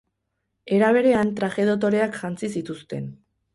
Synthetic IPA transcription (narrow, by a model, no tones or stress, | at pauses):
e̞ɾaβe̞ɾe̞ant̪ɾaʝe̞ð̞ot̪̬o̞ɾe̞akʝant͡sisit̪ust̪e̞̰n